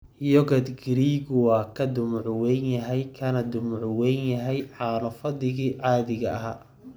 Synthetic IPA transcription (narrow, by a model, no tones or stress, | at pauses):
jɔɣɐd̪ɡɪɾiːɣʊwɑːkʰɐd̪ʊmʊʕʊwɛnjɐɦɛjkʰɐnɐd̪ʊmʊʕʊwɛnjɐɦɛjʕɑːnɔfɐd̪ɪɣiːʕɑːðɪɣɐʔɐɦaː